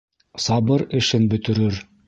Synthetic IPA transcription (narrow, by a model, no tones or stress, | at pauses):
sɑβɤɾɘ̆ʃɘnbɵ̆t̪ɘ̆ɾɘɾ